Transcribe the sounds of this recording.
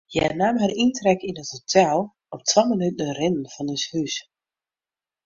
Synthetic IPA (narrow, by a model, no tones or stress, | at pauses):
jɛnamɦaɾintrɛkinəthotʰɛlˠ | ɔptʋamənytn̩ərɪnən̩v̥ɑnɪshys